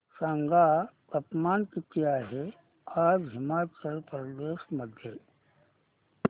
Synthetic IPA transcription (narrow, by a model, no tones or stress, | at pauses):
saŋɡa | əpmaːnkɪt̪ijaɦe | aːd͡ʒɦɪmaːt͡ʃəlpɾəd̪eːʃməd̪ʱje